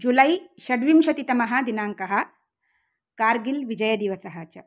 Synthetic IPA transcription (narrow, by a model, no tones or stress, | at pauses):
d͡ʒulɐjʃɐɖʋimʃɐt̪it̪ɐmɐɦɐ̆d̪inaːŋkɐɦɐ̆ | kaːɾɡilʋid͡ʒɐjɐd̪iʋɐsɐɦɐt͡ʃɐ